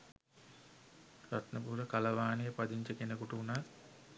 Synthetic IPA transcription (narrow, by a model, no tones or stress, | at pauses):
ɾat̪nəpuɾəkalɐʋaːnijəpad̪iɲt͡ʃəkenəkoʈəunat̪